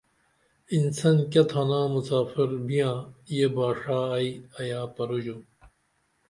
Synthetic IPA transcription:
insɐnkʲɐt̪ʰɐnãːmusaːfiɾbʱijãːjebaːʂaːɐiɐjaːpɐɾud͡ʑu

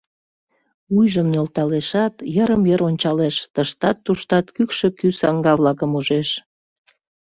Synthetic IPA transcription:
ujʒəmnolt̪ɑleʃɑt̪jəɾəmjəɾonʲt͡ɕɑleʃt̪əʃt̪ɑt̪ːuʃt̪ɑt̪kykʃekysɑŋɡɑβlɑkəmuʒeʃ

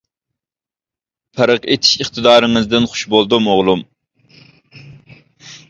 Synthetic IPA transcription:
pʰæɾəqet̪ʰi̥ʃiχt̪ɨd̪ɑːɾɪŋɨzd̪ɪnχʊ̥ʃbolˠd̪umoʁlˠum

